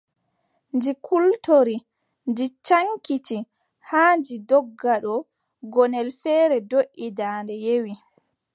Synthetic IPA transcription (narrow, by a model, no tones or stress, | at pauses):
nd͡ʒikʰultoɾi | nd͡ʒit͡ʃaŋkiti | haːnd͡ʒidɔɡːaɗɔ | ɡɔnɛlfɛːɾɛdoʔidaːndɛjewi